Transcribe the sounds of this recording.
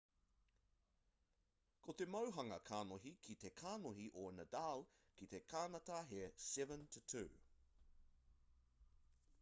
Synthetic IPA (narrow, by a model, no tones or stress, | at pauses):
kʰot̪e̞mɐwɦɐŋɐkʰaːnoɦikʰit̪ekʰaːnoɦiʔonɐdal | kit̪ekʰaːnɐt̪aɦesɛvə̃ntʰutʰʉ̰ː